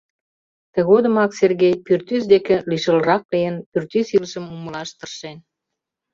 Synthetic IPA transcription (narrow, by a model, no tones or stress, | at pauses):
t̪ə̆ɣod̪əmɑkserɣejpyrt̪ysd̪ekĕliʃə̆lərɑk̚leənpyrt̪ysiləʃəmuməlɑʃt̪ərʃen